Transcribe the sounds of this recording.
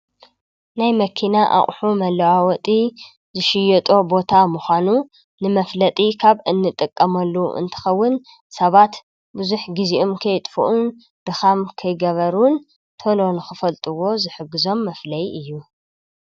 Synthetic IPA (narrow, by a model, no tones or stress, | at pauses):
najmɐkʰinaʔa̰ʔʼħumɐlɐʕawɔt̪ʼi | zɨʃɪjɛt̪ʼo̞bo̞t̪ʰamuxʷanu | nɨmɐflɐt̪ʼikʰaβɨnːɨt̪ʼɨkʼːɐmɐlːuʔɨ̰nt̪ʰɐ̥xɐwːʊn | sɐβat̪ | bɨzuħɡiziʔomkʰɐjt̪ʼfuʔun | d̪̥ɨxamkʰɐjɡɐβɐɾun | t̪ʰolo̞nɨxɨfɐlt̪ʼɨwo̞zɨħɨɡːɨzo̞mːɐflɐjɨjːu